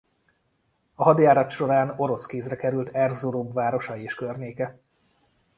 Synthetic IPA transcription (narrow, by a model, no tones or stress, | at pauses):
ɒɦɒd̪jaːɾɒt̪ʃo̞ɾaːno̞ɾo̞skeːzrɛkɛɾylt̪ʰɛrzuɾoːbvaːɾo̞ʃɒjieːʃkørɲeːkɛ